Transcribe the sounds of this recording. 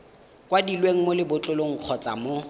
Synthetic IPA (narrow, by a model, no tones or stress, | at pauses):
kʼwadilweŋ̩molɪbʊt͡ɬʼʊloŋ̩q͡χʰɔt͡sʼa̰mo